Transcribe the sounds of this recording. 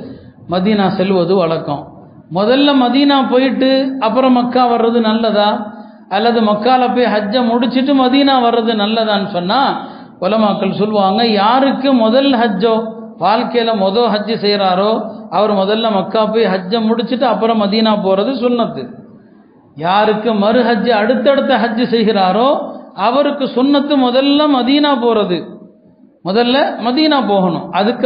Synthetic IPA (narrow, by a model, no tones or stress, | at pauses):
mɐðiːnaːsɛlːʋɐðɯʋɐɭɐkːɔ̃ | mɔðɐlːɐmɐðiːnaːpoːjɪʈːɯɐpːɯɾɐ̃mɐkːaːʋɐrːɐðɯnɐlːɐðãː | ɐlːɐðɯmɐkːaːlɐp̬oːjɦɐd͡ʒːɐ̃mʊɽɪt͡ʃːɯʈːɯmɐðiːnaːʋɐɾːɐðɯnɐlːɐðãːnːɯsɔnːaː | kʊlɐmaːkːɐɭsɔlːɯʋaːŋɡɐjaːɾɯkːɯmɔðɐlɦɐd͡ʒːõː | ʋaːlkɐjɐlɐmɔðoːɦɐd͡ʒːɯsɛjɾaːɾoːɐʋɐɾmɔðɐlːɐmɐkːaːpoːjɦɐd͡ʒːɐ̃mːʊɽɪt͡ʃːɯʈːɯɐpːɯɾɐ̃mːɐðiːnaːpoːɾɐðɯsʊnːɐt̪ːɯ | jaːɾɯkːɯmɐɾɯɦɐd͡ʒːɯɐɽɯt̪ːɛɽɯt̪ːɐɦɐd͡ʒːɯsɛjɣɪɾaːɾoːɐʋɐɾɯkːɯsʊnːɐt̪ːɯmɔðɐlːɐmɐðiːnaːpoːɾɐðɯ | mɔðɐlːɐmɐðiːnaːpoːɣɐɳʊ̰̃mɐðɯkː